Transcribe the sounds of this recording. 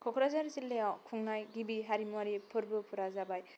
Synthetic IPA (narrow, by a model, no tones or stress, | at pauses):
kʰɔkʰɾazaɾsilːejawkʰuŋnajɡibiɦaɾimuwaɾipʰɯɾbɯpʰuɾazabaj